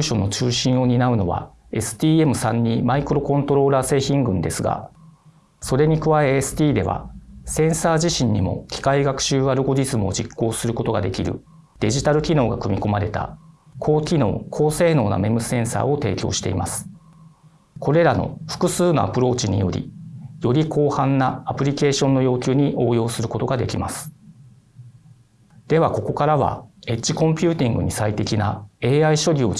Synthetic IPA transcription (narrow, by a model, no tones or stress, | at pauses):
ɕo̞nːo̞t͡ɕɨːɕĩɰ̃o̞ɲ̟inaɯ̟no̞βa̰ | e̞sɨ̥t̪ʲiːe̞mɯ̟sãɲ̟ːimaikɯɾo̞kõ̞nt̪o̞ɾo̞ːɾaːse̞ːçĩŋɡɯ̟̃nd̪e̞sɨɡa̰ | so̞ɾe̞ɲ̟ikɯ̟βaeːsɨ̥t̪ʲiːd̪e̞̰βa̰sẽ̞ɰ̃saːʑiɕĩɲ̟ːimo̞̰kʲi̥kaiɡakɯ̟̥ɕɨːaɾɯ̟ɡo̞ʑizɨmɯo̞d͡ʑikːo̞ːsɨɾɯ̟ko̞t̪o̞ɡad̪e̞kʲiɾɯ̟ | d̪̥e̞ʑit̪aɾɯ̟kʲino̞ːɡakɯ̟mʲiko̞maɾe̞t̪a̰ | kʰo̞ːkʲino̞̰ːkʰo̞ːse̞ːno̞ːna̰me̞mɯ̟sẽ̞ɰ̃sa̰ːo̞t̪e̞ːkʲo̞̰ːɕi̥t̪e̞̰imasɨ̥ | kʰo̞ɾe̞ɾano̞̰ɸɯ̟̥kɯ̟sɨːno̞̰a̰pɯ̟ɾo̞ːt͡ɕiɲ̟ḭjo̞̰ɾʲḭjo̞ɾʲikʰo̞ːhãnːaːpɯ̟ɾʲike̞ːɕõ̞nːo̞jo̞ːkʲɨːɲ̟iʔo̞ːjo̞ːsɨɾɯ̟ko̞t̪o̞ɡad̪e̞kʲimasɨ̥ | d̪̥e̞βako̞ko̞kaɾaβa̰e̞t͡ɕːikõ̞mpʲɨ̟ːt̪ʲĩŋɡɯ̟̰ɲ̟isait̪e̞kʲinae̞ːaiɕo̞ɾʲoː